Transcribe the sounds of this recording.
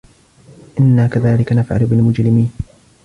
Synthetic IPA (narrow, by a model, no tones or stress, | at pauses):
ʔɪnːaːkaðaːlɪkanafʕa̰lʊbɪlmʊd͡ʒɾɪmiːn